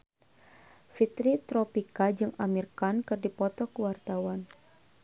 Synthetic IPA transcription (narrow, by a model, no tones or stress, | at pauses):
fit̪ɾit̪ɾɔpikad͡ʒɨŋamirkankɨrdipɔt̪ɔkəwart̪awan